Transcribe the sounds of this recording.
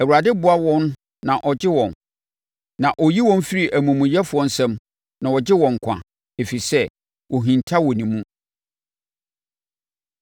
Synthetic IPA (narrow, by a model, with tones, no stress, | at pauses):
æ˨wu˨ɾa˨dɪ˦bʊ˦a˦wɔ̃˦n˦ | nã˨ʔɔ˨d͡ʑɪ˦wɔ̃˨n | nã˨ʔɔ˨ji˦wɔ̃˦n˦fi˦ɾi˨ʔæ˨mũ˨mũ˨jɛ˦fʊ˨ɔ̃˦n˦sɛ̃˦m | nã˨wɔ˨d͡ʑɪ˦wɔ̃˨ŋ̩˨kʷʰã̰˨ | e˨fi˨sɛ˦ | wɔ˨ɦĩ˨ntʰa˦wɔ˨nĩ˨mũ˦